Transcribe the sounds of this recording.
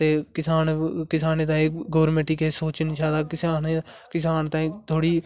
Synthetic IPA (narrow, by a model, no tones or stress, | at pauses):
t̪eːkɪsaːnkɪsaːneːt̪ãːeɡoːɾmeʈiːkesoːt͡ʃnit͡ʃʰaːt̪aːkɪsaːnekɪsaːnt̪ãit̪ʰoːɽiː